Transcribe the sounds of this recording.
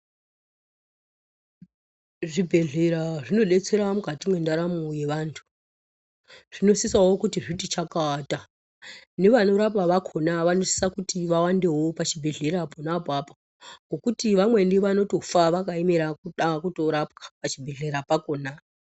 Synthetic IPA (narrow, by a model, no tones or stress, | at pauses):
ʐibʱe̞ɮe̞ɾaʐino̞ɗe̞t͡se̞ɾamukatimwe̞ndaɾamuje̞ʋantʰu̥ | ʐ̥ino̞sisawo̞kutiʐitit͡ʃakata | ne̞ʋano̞ɾapaʋakʰo̞naʋano̞si̥sakutiʋawande̞wo̞pat͡ʃibʱe̞ɮe̞ɾaponapapa | ŋɡo̞kutiʋamwe̞ndiʋano̞to̞faʋakaemeɾakuɗakutoɾap̚kḁpat͡ʃibʱe̞ɮe̞ɾapakoːna